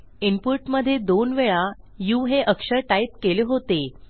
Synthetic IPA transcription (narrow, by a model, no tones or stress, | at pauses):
impuɾʈməd̪ʱːjed̪onʋeɭa | juɦeʔəkʂəɾʈaip̚keleɦot̪e